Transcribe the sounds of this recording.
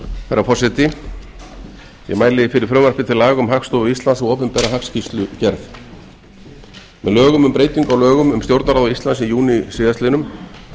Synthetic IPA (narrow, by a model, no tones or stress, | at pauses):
θaɾːafɔsɪt̪ɪ | jɛ̰ɣmaːjlɪfɪɾɪɾ̥fɾʏmvɛɾ̥pɪt̪ʰɪlaːɣʏmɦakst̪ɔvʏist̪lansɔɣɔːpɪmpɛɾaɦakscist̪lʏcɛɾθ | mɛ̰ðlœːɣʏmʏmpɾeːjt̪iŋkawlœːɣʏmʏmst̪jowɾt̪naɾaːðʏist̪lansɪjuːnisɪːðast̪ɪnʏm